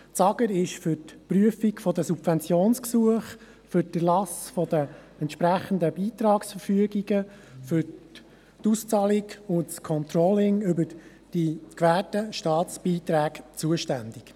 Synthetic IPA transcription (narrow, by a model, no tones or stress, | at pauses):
t͡sɑɡ̥əɾɪʃfʏɾtpryəfikfɔdəsubfɛnt͡sjoːnsksuəχ | fʏɾdəlɑsfɔd̥̪ə | ɛntʃpɾæχənd̪əbiːt̪ɾɑːksfəɾfyəɡiɡə | fʏɾ | tust͡sɑliɡʊntskʰɔnt̪ɾɔlɪŋʏbəɾ | d̥ikʋæːtəʃtɑːt͡sb̥iːt̪ɾæːkt͡suəʃtænd̪ik